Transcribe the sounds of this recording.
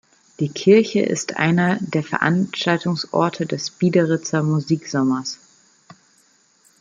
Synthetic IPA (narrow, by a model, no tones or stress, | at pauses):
d̥iːkʰɪɐçə̰ʔɪ̰stʔa̰ɪnɐdeːɐfɛɐʔa̰nʃtaltʊŋsʔɔ̰ɐtʰədɛsb̥iːdɐʁɪt͡sɐmuziːkz̥ɔmɐs